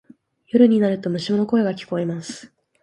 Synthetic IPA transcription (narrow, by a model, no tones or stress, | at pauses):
joɾɯ̟ɲ̟inaɾɯ̟t̪o̞mɯ̟ɕimono̞ko̞eɡakʲi̥ko̞emasɨ̥